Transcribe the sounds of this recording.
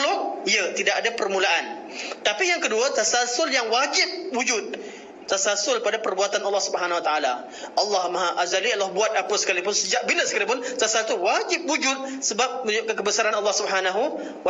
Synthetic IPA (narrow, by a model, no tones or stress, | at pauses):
lʊʔ̚iət̪idaʔadapərmulaʔan | t̪apijaŋkəduət̪asalsʊljaŋwad͡ʒɪp̚wud͡ʒʊt̪̚ | t̪asalsʊlpadapərbuat̪anɑlːɑhsubəɦanahwat̪aala | ʔɑlːɑhmãɦaʔazaliɑlːɔhbuat̪̚apəsə̥kalipʊnsəd͡ʒaʔbiləsəkalipʊnt̪asalt̪uwad͡ʒɪp̚wud͡ʒʊt̪̚səbap̚əʊkakəbəsaɾanɑlːɑhsubəɦanaɦu | w